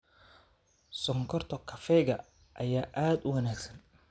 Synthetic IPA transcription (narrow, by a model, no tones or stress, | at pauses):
sɔŋkʰɔrt̪ʰɔkʰɐfɛɣɐ | ʔɐjaːʔaːd̪ʊwɐnaːksɐn